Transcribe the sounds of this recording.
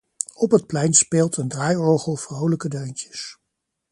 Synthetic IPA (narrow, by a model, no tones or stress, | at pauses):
ɔpɦət̚plɛjnspeːlˠtʰəndraːjoχəlˠv̥rowləkədøɥntə̥s